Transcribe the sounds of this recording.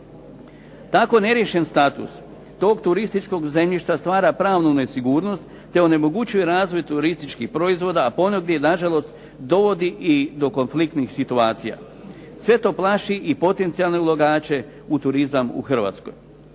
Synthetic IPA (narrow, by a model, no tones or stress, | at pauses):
t̪ako̞ne̞ɾje̞ʃe̞nst̪at̪ṵs | t̪o̞ːɡt̪uɾist̪it͡ʃko̞ɡze̞mʎiʃt̪ast̪ʋaːɾapɾaːʋnunesiɡuːɾno̞st̪ːe̞o̞ne̞mo̞ɡut͡ɕujeɾaːzʋo̞jt̪uɾist̪it͡ʃkixpɾo̞izʋo̞ːd̪aːpo̞noɡdje̞naʒalo̞st̪ | d̪o̞ʋo̞d̪iʔid̪o̞ko̞nflik̚t̪nixsit̪uaːt̪sija̰ | sʋe̞t̪o̞ːplˠaʃiʔipo̞t̪e̞nt̪sialˠne̞ulˠaɡaːt͡ɕe̞ | ut̪uɾizamṵxr̩ʋa̰t̪sko̞̰j